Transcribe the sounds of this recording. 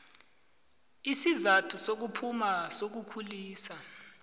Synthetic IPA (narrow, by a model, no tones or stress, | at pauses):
isizatʰusok̬upʰumasok̬ukʰuliːsa